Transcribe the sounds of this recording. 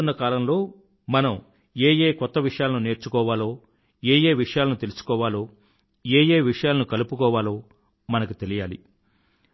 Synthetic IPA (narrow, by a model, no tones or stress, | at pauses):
unːɐkaːlɐmlo̞ː | mɐnɐm | eːjeːkɔt̪ːɐʋiʂɐjaːlɐnune̞ːɾt͡ʃukɔːʋaːlo̞ː | eːje̞ːʋiʂɐjaːlɐnut̪eliusu̥kɔːʋaːlo̞ː | eːje̞ːʋiʂɐjaːlɐnukɐlupukɔːʋaːlo̞ː | mɐnɐkut̪e̞lijaːlḭ